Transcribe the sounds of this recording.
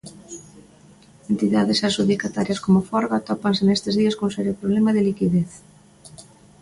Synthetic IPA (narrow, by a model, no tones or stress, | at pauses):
ent̪iðaðɪsasuðikat̪aɾjɐskomʊfɔɾɣat̪ɔpansenest̪ɪzðiɐskoŋsɛɾjopɾoβlɛmaðɪlikiðeθ